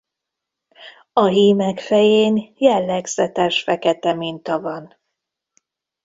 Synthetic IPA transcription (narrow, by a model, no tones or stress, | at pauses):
ɒɦiːmɛkfɛjeːnjɛlːɛɡzɛt̪ɛʃfɛkɛt̪ɛmint̪ɒvɒn